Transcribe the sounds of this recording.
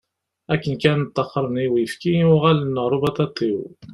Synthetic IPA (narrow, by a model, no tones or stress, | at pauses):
ækːənkænt̪ˤːɑqːəɾˤəniwifkijʊʁælənːəʁɾˤubɑt̪ɑt̪ˤːiw